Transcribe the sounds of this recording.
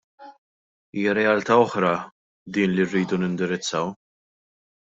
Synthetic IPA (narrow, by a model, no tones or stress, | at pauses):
iːjɐɾɛjɐlt̪ɐɔħɾɐ | d̪iːnlirːiːd̪unɪnd̪ɪɾɪt͡sːɐw